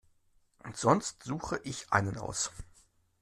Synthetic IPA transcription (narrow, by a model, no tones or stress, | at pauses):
ʔʊntz̥ɔnstz̥uːxəʔɪçʔa̰ɪnənʔa̰ʊs